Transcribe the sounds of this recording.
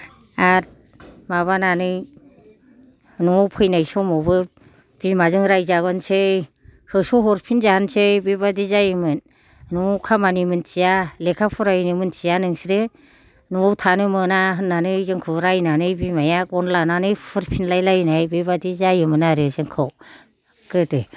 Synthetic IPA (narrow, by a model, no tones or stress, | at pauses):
at̚ | maβananɯj | nuŋɔwpʰɯjnajsɔmɔbɯ | b̥imazɯŋɾajzaɡɯnsej | hɯsɔɦɔɾpʰinzaansejbibadizajɯmɯn | nuŋɔwkʰamanimɯnt͡ʃijalekʰapʰuɾajnimɯnt͡ʃijanɯŋsɾe | nɔŋɔwtʰanɯmɯnaɦɯnːanɯjzɯŋkʰɯwɾajnanɯjbimajakɔnlananɯjpʰɯɾpʰinlajlajnajbibadizajɯmɯnaɾesɯŋkʰɯw | kɯte